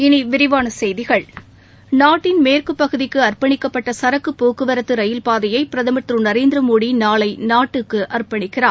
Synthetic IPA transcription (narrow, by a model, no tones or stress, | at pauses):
ɪniʋɪɾɪʋaːnɐsɛjðɪɣɐɭ | naːʈːɪnmeːrkɯpːɐɣɯðɪkːɯɐrpɐɳɪkːɐpːɐʈːɐsɐɾɐkːɯpːoːkɯʋɐɾɐt̪ːɯɾɐjɪlpaːðɐjɐɪpɪɾɐðɐmɐt̪ɾɯnɐɾeːnd̪ɾɐmoːɽinaːlɐɪnaːʈːɯkːɯʔɐrpɐɳɪkːɪraː